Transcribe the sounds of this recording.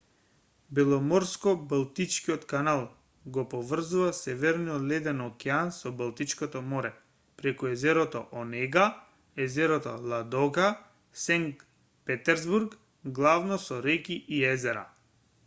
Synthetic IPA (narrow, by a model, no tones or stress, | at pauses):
bɛlˠɔmɔɾskɔbalˠt̪it͡ʃkiɔt̪kanalˠ | ɡɔpɔvr̩zuvasɛvɛɾniɔlɛd̪ɛnɔkɛansɔbalˠt̪it͡ʃkɔt̪ɔmɔɾɛ | pɾɛkuɛzɛɾɔt̪ɔ̰ʔɔnɛɡa | ɛzɛɾɔt̪ɔ̰lˠad̪ɔɡa | sɛŋkk | pɛt̪ɛɾzbuɾk | ɡlˠavnɔsɔɾɛkiʔiɛzɛɾa̰